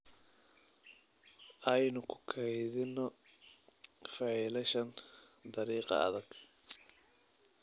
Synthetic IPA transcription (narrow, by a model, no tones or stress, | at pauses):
ʔɐjnʊkʰʊ̥kʰɛjðɪnːɔ | fɐʕiːlɐʃɐnd̪ɐɾiːqɑ̰ɐ̰ðɐɡ̥